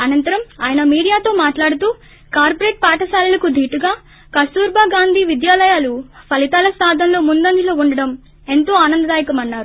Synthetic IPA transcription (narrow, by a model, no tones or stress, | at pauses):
ɐnɐnt̪ɐɾɐmaːjɐnɐmiːɽijaːt̪o̞ːmaːʈlaːɽut̪uː | kaːɾpoɾeːʈ̚paːʈɐsaːlɐlɐkud̪ʱiːʈuɡaː | kɐst̪uːɾbaːɡaːnd̪ʱiːʋid̪jaːlɐjaːlupʰɐlit̪aːlɐsaːd̪ʱɐnlo̞ːmund̪ɐnd̪iloːuɳɖɐɽɐm | e̞nt̪o̞ːaːnɐnd̪ɐd̪aːjikɐmɐnːaːɾu